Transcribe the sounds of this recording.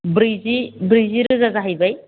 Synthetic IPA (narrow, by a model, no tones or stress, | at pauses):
bɾizibɾiziɾɯzazaɦajbaj